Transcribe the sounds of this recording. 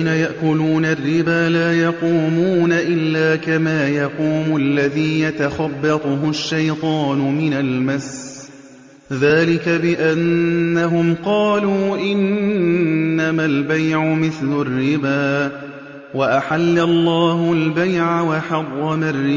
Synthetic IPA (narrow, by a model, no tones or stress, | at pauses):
najaʔkʊluːnarːɪbaːlaːjɑquːmuːnaʔɪlːaːkamaːjɑquːmʊʔlːaðiːjat̪axabːɑt̪ˤʊɦʊʃːajt̪ˤɑːnʊmɪnalmas | ðaːlɪkabɪʔanːaɦʊmqɑːluːʔɪnː | amalbajʕʊmɪθlʊrːɪbaː | waʔaħalːalˤːɑːhʊlbajʕawɑħɑrˤːɑmarːɪ